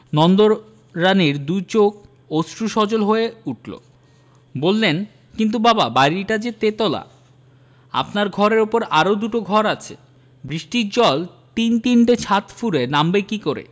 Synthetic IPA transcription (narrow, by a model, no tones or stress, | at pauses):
nɔnd̪oɾː | aniɾd̪ujt͡ɕok̚ | osʈɾuʃɔd͡ʑolɦoeuʈʰlo̰ | bolːen | kint̪̬ubababajɾiʈad͡ʑet̪et̪ɔla̰ | a̰pnaɾɡʱɔɾeɾopoɾaɾod̪uʈoɡʱɔɾat͡ɕʰḛ | bɾiʃʈiɾd͡ʑɔl | t̪int̪inʈet͡ɕʰat̪fuɾenambekikoɾḛ